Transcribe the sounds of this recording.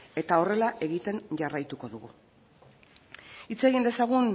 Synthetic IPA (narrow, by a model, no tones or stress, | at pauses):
e̞t̪ao̞re̞laʔe̞ɣit̪e̞nʝarajt̪uko̞ðuɣu | it͡se̞ɣind̪e̞saɣun